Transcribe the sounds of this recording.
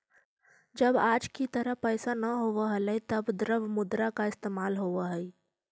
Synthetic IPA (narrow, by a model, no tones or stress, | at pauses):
d͡ʒəbaːd͡ʒkit̪əɾəɦpɛːsanɐɦoːʋaɦələit̪ɐbd̪ɾəbmʊd̪ɾakaɪst̪eːmaːlɦoːaɦɛi